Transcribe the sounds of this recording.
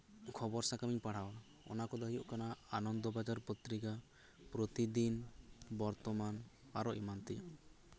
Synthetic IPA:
kʰɔbɔɾsakamiɲpaɽ̤awa | ɔ̰nakɔd̪aɦijɔʔkanaanɔnd̪ɔbad͡ʒaɾpɔt̪ɾika | pɾot̪id̪inbɔɾt̪ɔman | aɾɔimant̪ia

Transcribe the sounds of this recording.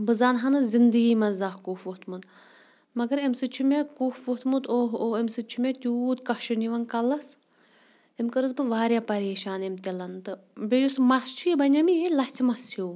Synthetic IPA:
bɨzaːnɦɐnɨzind̪ɨɡiːmɐnzaːhkuːfʋut̪ʰmun | mɐɡɐɾemsɨt͡ʃʰumʲekuːfʋut̪mut̪oɦoemsɨt͡ʃʰumʲet̪ʲuːt̪kɐhʃuniʋɐnkɐlɐs | emkɨɾɨs̬bɨʋaːɾʲjapɐɾeːʃaːnemt̪elɐnt̪ɨ | bʲejusmɐst͡ʃʰujibɐnʲɐmijelɐt͡sʰʲmɐsʰjuː

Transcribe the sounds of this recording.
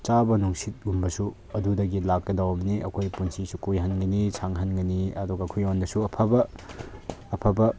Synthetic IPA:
t͡ʃabɐnuŋsit̚umbɐsu | ɐdudɐɡilakːɐdawɐmniɐ̰kʰojpunsisukujɦanɡɐnisʰaŋɦanɡɐniɐduɡɐːkʰojonbɐsuɐpʰɐbɐː | pʰɐbɐ

